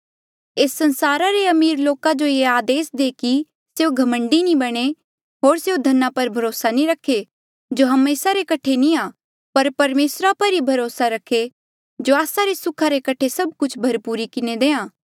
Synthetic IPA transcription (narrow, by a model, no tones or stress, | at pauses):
eːsːɐ̃nsaːɾaɾeɐmiːɾloːkad͡ʒoeaːd̪eːsd̪eki | seːoɡʱɐmə̃ɳɖinĩbɐɽ̃e | ɦoːɾseod̪ʱɐnːapɐɾbʱɐɾoːsanĩɾɐkʰːe | d͡ʒoɦɐmeːsaɾekɐʈʰenĩa | pɐɾpɐɾmeːsɾapɐɾibʱɐɾoːsaɾɐkʰːe | d͡ʒoaːsaɾesʊkʰaɾekɐʈʰesɐb̚kʊt͡ʃʰbʱɐɾpuɾikɪned̪eːãː